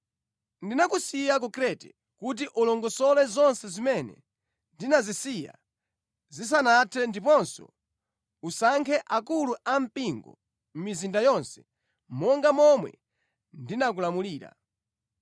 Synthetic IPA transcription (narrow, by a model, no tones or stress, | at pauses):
ndinakusijak̬ɔkɾɛtɛ̰ | kut̬iʔulɔŋɡɔsɔlɛzɔnsɛzimɛnɛ̰ | ndinazisija̰ | zis̬anatʰɛndipɔnsɔ̰ | usaŋkʰɛʔakuluʔam̩piŋɡɔ̰ | m̩mizindajɔnsɛ̥ | mɔŋɡamɔmwɛ̰ | ndinak̬ulamuliːɾa̰